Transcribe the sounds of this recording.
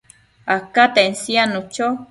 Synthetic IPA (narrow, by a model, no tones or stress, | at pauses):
akat̪ensianut͡ʃo